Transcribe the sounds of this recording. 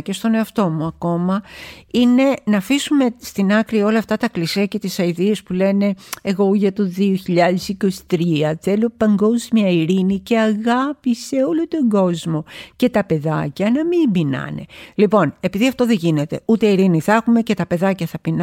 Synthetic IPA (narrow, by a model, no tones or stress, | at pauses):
ce̞st̪o̞ne̞ɐft̪o̞muɐko̞mɐine̞nɐfisume̞st̪inɐkɾio̞lɐft̪ɐt̪ɐklisiɐce̞t̪isɐiðiespule̞ne̞eɣo̞ʝɐt̪oðioçiʎɐðesiko̞si̥t̪ɾiɐθe̞lo̞pɐŋɡo̞zmiɐiɾinice̞ɐɣɐpise̞o̞lot̪o̞ɡo̞zmo̞ce̞t̪ɐpe̞ðɐcɐnɐmimbinɐ̰ne̞̰lipo̞ne̞piðiɐft̪o̞ðe̞ʝine̞t̪e̞ut̪e̞iɾiniθexume̞ce̞t̪ɐpe̞ðɐcɐθɐpin